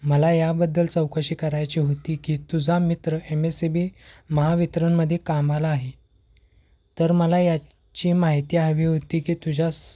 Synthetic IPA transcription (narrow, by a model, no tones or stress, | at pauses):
məlajabəd̪ːəlt͡səwkəɕiːkəɾajt͡ɕiːɦot̪iːkiːt̪ud͡zʱamit̪ɾəemesebiːməɦaʋit̪ɾənməd̪ʱːjekamalaːɦe | t̪əɾməlaja | t͡ɕiːmaɦit̪iːaʋiːɦot̪iːkiːt̪ud͡ʑʱas